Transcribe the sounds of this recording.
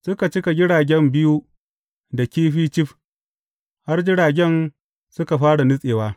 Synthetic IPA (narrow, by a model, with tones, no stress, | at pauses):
sʊ˦ka˨t͡ʃɪ˦ka˨ɡʲɪ˦ɽaː˨ɡʲɛ˦mbɪ˦ju˦ | da˨kʲiː˦ɸiː˦t͡ʃɪ˦ɸ | ha˦rd͡ʒɪ˦ɽaː˨ɡʲɛ˦n | sʊ˦ka˨ɸaː˦ɽa˨nɪ˦sʼeː˨waː˦